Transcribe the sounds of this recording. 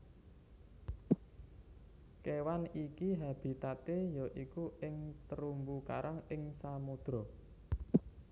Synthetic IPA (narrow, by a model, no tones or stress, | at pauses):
kewanikiɦab̥i̤t̪at̪ejɔʔikuɪŋt̪əɾumbuka̰ɾʔaŋɪŋsamud̪̥ɾɔ̤